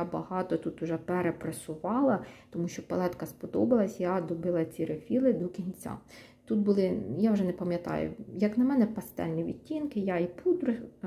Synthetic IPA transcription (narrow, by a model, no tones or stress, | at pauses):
abɐhɑt̪ɔt̪ut̪ʊʒɛpeɾepɾɐsʊʋɑlˠɐt̪ɔmuʃt͡ʃɔpɐlˠɛt̪kɐspɔd̪ɔbɐlˠɐsʲjad̪ɔbɪlˠɐt͡sʲiɾefʲilˠɪd̪ɔkʲinʲt͡sʲa̰ | t̪ut̪̚bʊlˠɪjawʒɛnɛpɐmʲjɐt̪ɑ̰jʊ̰jɐknɐmɛnɛpɐst̪ɛ̰lʲnʲiʋʲḭtʲːinkɪjaipud̪ɾɪx